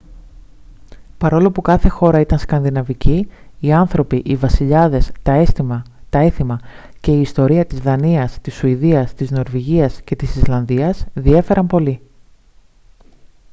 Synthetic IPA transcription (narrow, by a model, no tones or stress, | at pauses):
pɐɾo̞lo̞pukɐθe̞xo̞ɾɐit̪ɐnskɐnðinɐviciːɐnθɾo̞piʔivɐsiʎɐðe̞st̪ɐest̪imɐt̪ɐe̞θimɐ | ce̞iːst̪o̞ɾiɐt̪izðɐniɐst̪isuiðiɐst̪izno̞ɾviʝiɐsce̞t̪isizlɐnðiɐsðie̞fe̞ɾʔɐmpo̞li